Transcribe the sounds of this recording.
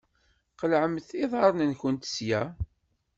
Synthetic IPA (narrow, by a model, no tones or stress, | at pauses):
qəlʕəmθiðˤɑɾˤnənçənt̪sjæ